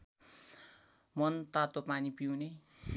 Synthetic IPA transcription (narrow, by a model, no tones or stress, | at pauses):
mʌnt̪at̪opanipiwne